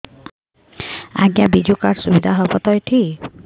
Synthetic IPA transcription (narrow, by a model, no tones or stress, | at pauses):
a̰ɡjabid͡ʒukaɽsubid̪ʱaɦɔbɔt̪ɔjʈʰi